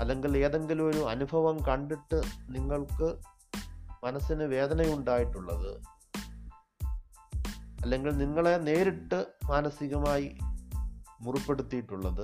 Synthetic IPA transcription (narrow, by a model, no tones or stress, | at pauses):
ɐlːe̞ŋɡile̞ːðe̞ŋɡilumo̞ɾuɐnubʱɐʋɐmkɐɳɖiʈːɨniŋːɐɭkɨ | mɐnɐsːinɨʋe̞ːd̪ɐnɐjuɳɖaːjiʈːuɭːɐ̰ðɨ | ɐlːe̞ŋɡilniŋːɐɭe̞ne̞ːɾiʈːɨmaːnɐsiɣɐmaːji | murupːe̞ɽut̪ːijiʈːuɭːɐðɨ